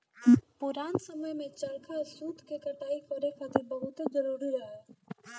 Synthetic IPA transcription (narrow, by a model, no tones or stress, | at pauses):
pʊɾaːnsəməjmẽt͡ʃɐlkʰasuːt̪kekɐʈaːikɐɾekɐt̪ɾbɐɦʊt̪zɐɾuːɾiɾɐɦɛː